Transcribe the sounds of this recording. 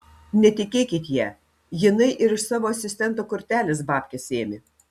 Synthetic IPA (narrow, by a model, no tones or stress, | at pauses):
nʲɛt̪ʲɪkʲeːkʲɪt̪ʲjɛ | jɪnɐɪʔɪɾɪsɑːʋoːɐsʲɪsʲt̪ʲɛnˑt̪oːkʊɾʲt̪ʲæːlʲɪs̬bɑːpʲkʲɛseːmʲɪ